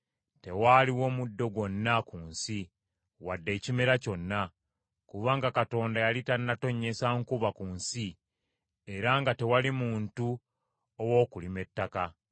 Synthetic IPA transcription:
te̞waliwo̞ːmudːo̞ɡwo̞nːakuːnsi | wadːe̞ːcimeɾaco̞nːa | kuβaŋɡakato̞ːndajalitannːato̞ɲːe̞saŋkuβakuːnsi | e̞ɾaŋɡate̞walimuːntu | owo̞ːkulime̞tːaka

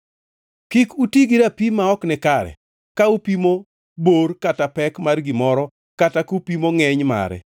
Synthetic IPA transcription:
kikutiɡiɾapimaɔknɛkaɾɛ̰ | kaupimo | borkatapɛkmarɡɪmɔɾɔ | katakupimoŋɛɲma̰ɾɛ̰

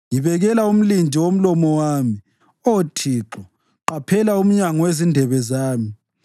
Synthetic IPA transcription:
jiβɛɣɛlaum̩lind͡ʒʱiwom̩lɔmɔwaːmi | otʰiːǁɔ | ǃapʰɛlaum̩ɲaŋɔwezindʱɛβɛzaːmi

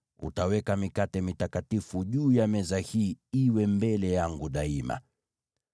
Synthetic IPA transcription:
ṵtawɛkamikatɛmitakatifuʄuːjamɛzahiːiwɛmbɛlɛjaŋɡuɗaima̰

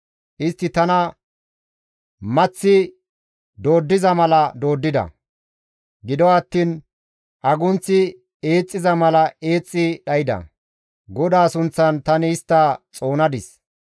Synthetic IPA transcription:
ʔɪst̪ːɪt̪ɐnɐ | mɐt͡sːɪ | d̪o̞ːd̪ːɪzɐmɐlɐd̪o̞ːd̪ːɪd̪ɐ̰ | ɡɪd̪ɔɐt̪ːiːn | ʔɐɡʊnt͡sːɪ | eːt͡sʼːɪzɐmɐlɐe̞ːt͡sʼːɪɗɐjɪd̪ɐ̰ | ɡɔd̪aːsʊnt͡sːɐnt̪ɐnɪːst̪ːɐt͡sʼo̞ːnɐd̪ɪs

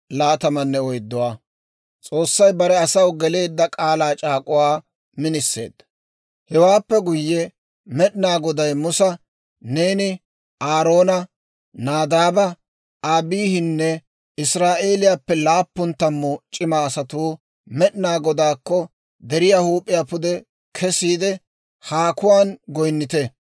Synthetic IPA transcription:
laːt̪ɐmɐnːɛɔjd̪ːɔwaː | t͡sʼo̞ːsːɐjbɐɾɛɐsɐwɡɛle̞ːd̪ːɐkʼaːlaːt͡ʃʼaːkʼʊwaː | mɪnɪsːe̞̰ːd̪ːɐ | hɛwaːpːɛɡʊjːɛ | mɛɗɪnaːɡɔd̪ɐjmʊsɐ | ne̞ːnɪ | ʔaːɾo̞ːnɐ | naːd̪aːbɐ | aːbiːhɪnːɛ | ɪsɾaːʔe̞ːlɪjaːpːɛlaːpːʊnt̪ːɐmːɔt͡ʃʼɪmaːsɐt̪uː | mɛɗɪnaːɡɔd̪aːkːɔ | d̪ɛɾɪjaːhuːpʼːɪjapʊd̪ɛ | kʰɛsiːd̪ɛ | haːkʊwaːnɡɔjnːɪt̪ɛ

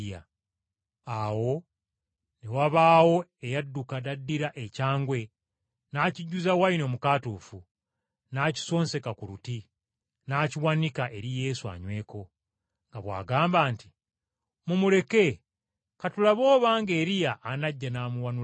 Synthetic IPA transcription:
ja̰ | awo̞ | newaβaːwo̞ejadːukadadːiɾaʔecaːŋɡwe̞ | naːciɟːuzawaino̞ːmukaːtuːfu | naːci̥so̞ːnse̞kakuɾuti | naːciwanikaʔe̞ɾije̞ːsua̰ɲwe̞ːko̞ | ŋɡaβwa̰ːɡaːmbaːnti̥ | mumule̞ke̞ | katulaβo̞ːβaːŋɡe̞ːɾijaʔːnaɟːanaːmuwanu

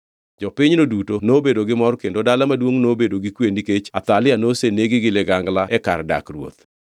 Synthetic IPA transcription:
d͡ʒɔpɪɲnodutonobedoɡɪmɔrkendodalamadwoŋnobedoɡikweniket͡ʃat̪alɪanoseneɡɪɡɪlɛɡaŋɡlaɛka̰rda̰krwo̰t̪

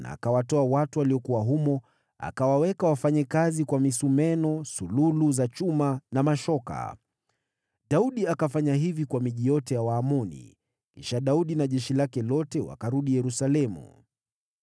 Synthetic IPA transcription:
na̰ːkawatɔawatuwaliɔkuwaɦumɔ | a̰kawawɛkawafaɲɛkazikwamisumɛnɔsululuzat͡ʃumanamaʃɔka̰ | ɗauɗiakafaɲaɦivikwamiʄijɔtɛjawaːmɔnḭ | kiʃaɗauɗinaʄɛʃilakɛlɔtɛwa̰kaɾuɗijɛɾusalɛmṵ

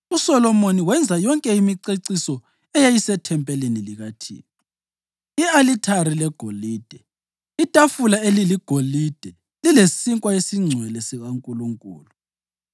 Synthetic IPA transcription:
usɔlɔmoniwɛnd͡zʱajɔŋkʼɛimiǀeǀisɔ | ɛjajisɛtʰɛmpʼɛleniliɣatʰḭːnɔ | ialitʰaɾilɛɡ̥ʱoliːd̥ʱɛ | itʼafulaeliliɡ̥ʱolid̥ʱɛ | lilesiŋkʼwaesiŋ͡ǀʱwɛlɛsiɣaŋkʼuluŋkʼṵːlu

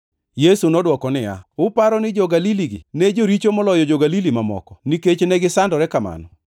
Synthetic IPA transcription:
jesunɔdwɔkɔnɪja̰ʊpaɾɔnɪd͡ʒɔɡaliliɡɪ̰ned͡ʒoɾit͡ʃomɔlɔjɔd͡ʒɔɡalilimamɔ̰kɔniket͡ʃnɛɡɪsandɔɾɛkama̰nɔ

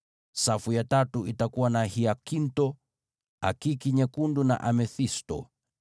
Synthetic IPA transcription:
safujatatuitakuwanahiakintɔ | a̰kikiɲɛkunduna̰ʔamɛθistɔ̰

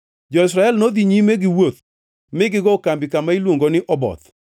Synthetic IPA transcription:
d͡ʒɔɪsɾaɛlnod̪iɲimeɡɪwot̪ | mɪɡɪɡɔkambɪkamailwoŋɡonɪʔɔbɔ̰t̪

